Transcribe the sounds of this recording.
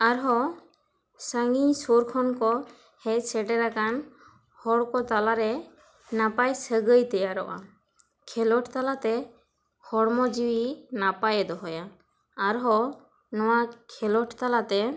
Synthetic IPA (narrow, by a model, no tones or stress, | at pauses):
aɾɦɔ | saŋɡiɲsoɾkʰɔnkɔ | hɛcsɛʈɛɾakan | hɔɽkɔt̪alaɾɛ | napajsəɡəjt̪ɛjaɾɔ̰ʔa̰ | kʰɛlɔʈt̪alat̪ɛ | hɔɽmɔd͡ʒiwinapajɛd̪ɔɦɔjaː | ɾɦɔ | nɔwakʰɛlɔʈʰt̪alat̪ɛ